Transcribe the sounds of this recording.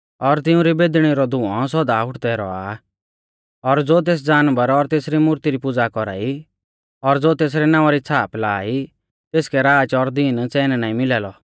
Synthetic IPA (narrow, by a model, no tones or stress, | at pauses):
ɔɾt̪ɪũɾibeːd̪ɽ̃iɾɔd̪ʱʊ̃ɔ̃s̬ɔd̪aʊʈʰd̪ɛɾɔ̰a̰ | ɔɾd͡zoːt̪̬eːs̬d͡zaːnbəɾɔɾt̪eːsɾimʊɾt̪iɾipʊd͡zakɔɾa̰ːi | ɔɾd͡zoːt̪eːs̬ɾɛnãːʋaɾit͡sʰaːplaːi | t̪eːskɛɾaːd͡ʒɔɾd̪ɪnt͡sɛːnɛnaːĩmɪlɛːlɔ